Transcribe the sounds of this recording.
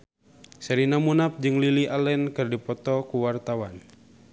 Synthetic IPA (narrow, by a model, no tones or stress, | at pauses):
sɛɾinamunap̚d͡ʒɨŋliliʔalɛnkɨrdipɔt̪ɔkuwart̪awan